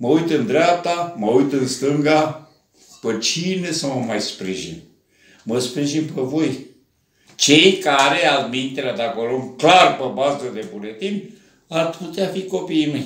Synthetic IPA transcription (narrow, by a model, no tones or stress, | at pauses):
məujt̪ɨnd̪ɾeap̚t̪aməujt̪ɨnst̪ɨŋɡa | pət͡ʃinesəməmajspɾiʒḭn | məspɾiʒinpəvo̞j | t͡ʃe̞jkaɾealmint̪elad̪akəloŋklarpəbasd̪əd̪ebulet̪imp | arput̪eafiko̞piːmej